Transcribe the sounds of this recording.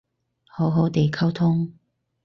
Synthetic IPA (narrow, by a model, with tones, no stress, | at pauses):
ho˨˥ɦo˨˥wt̪e˨jkʰɐ˥wt̪ʰʊ˥ŋ